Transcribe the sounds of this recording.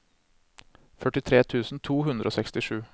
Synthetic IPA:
fœʈɪt̪ʰɾeːt̪ʰʉːsn̩t̪ʰuːɦʉnd̪ɾʔoːsɛkst̪ɪʂʉː

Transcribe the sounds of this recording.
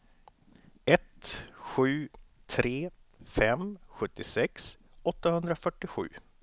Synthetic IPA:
ɛt̪ɧʉ̟ː | t̪ʰɾeːfɛmɧɵt̪ːɪsɛks | ɔt̪ːahɵnd̪ɾafœʈːɪɧʉ̟ː

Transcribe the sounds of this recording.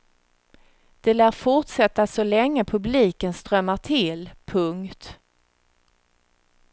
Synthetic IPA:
d̪̥ɛlæːɾfʊʈsɛt̪ːasɔlɛŋːəpʰɵbliːkənst̪ɾœmːaʈ̪ʰɪlpʰɵŋkt̪

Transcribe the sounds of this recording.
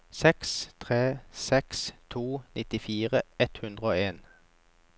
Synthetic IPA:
sɛkst̪ʰʁeːsɛkst̪ʰuːnʔɪt̪ɪfiːʁəɛt̪hʉnd̪ʁəoːeːn

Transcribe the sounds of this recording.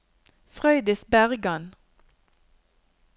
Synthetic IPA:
fʁœʏd̪əsbæʁɡɑn

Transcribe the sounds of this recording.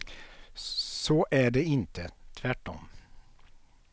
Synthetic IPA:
soːʔæːɖeːɪnt̪ʰət̪ʰʋæʈɔ̰m

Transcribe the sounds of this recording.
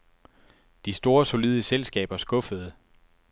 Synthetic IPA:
d̥isd̥o̝ːɐso̝liðˠəselsɡ̥ɛ̰ːb̥ɐsɡ̥ɔ̽fəð̞̩ˠ

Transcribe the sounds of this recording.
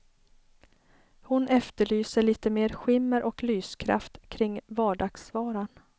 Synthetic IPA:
hʊnɛft̪əɭyːsəɭiːt̪əmeːɾɧɪmːəɾʔɔklyːskʰɾa̰ft̪kʰɾɪŋːvɑːɖɑːɡ̥svɑːɾan

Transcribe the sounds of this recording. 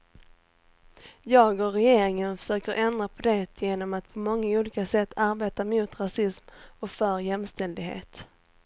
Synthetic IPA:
jɑːɡɔɾɛjeːɾɪŋənfœ̥ʂøːkəɾʔɛnd̪ɾapʰɔd̪ɛt̪ʰjeːnɔmat̪pʰɔmɔŋːauːliːkasɛt̪ʰːaɾbeːt̪amuːt̪ɾasɪsmɔkfœɾjɛmst̪ɛld̪ɪɡhḛːt̪

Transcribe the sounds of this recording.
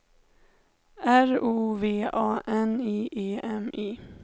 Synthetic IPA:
æɾuːveːɑːʔɛniːʔeːʔɛmʔiː

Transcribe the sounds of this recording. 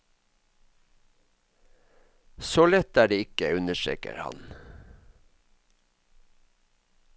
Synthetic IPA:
soːlɛt̪æːɖeːɪkəʉnəʃḛːkə̰ɾhɑ̰n

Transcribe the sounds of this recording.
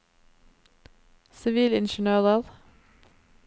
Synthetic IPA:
sɪʋiːlɪnʃnøːʁəʁ

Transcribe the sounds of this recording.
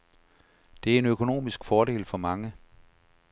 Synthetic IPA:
d̥e̝æɐe̝nøkʰo̝no̝̰ːmisɡ̥fɒːɾe̝̰ːlfɒ̽mɑ̈ŋə

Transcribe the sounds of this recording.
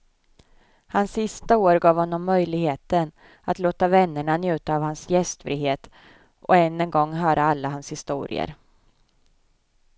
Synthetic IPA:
hansːɪst̪aoːɾɡɑːvhɔnːɔmːœjlɪɡheːt̪ən | at̪loːt̪avɛnːəɳanjʉ̟ːt̪aːvhansjɛst̪fɾḭːɦeːt̪ | ʔɔɛnːɛnɡɔŋːɦœːɾʔaalːaɦanshɪst̪ṵːɾɪ̰ə̰ɾ

